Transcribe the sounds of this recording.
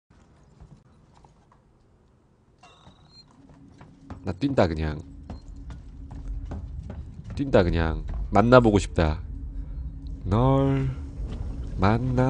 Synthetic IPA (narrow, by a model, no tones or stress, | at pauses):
nat͈windakɯɲa̰ŋ | t͈windakɯɲaŋmanːaboɡoɕʰi̥p̚t͈a | nʌɭ | manːa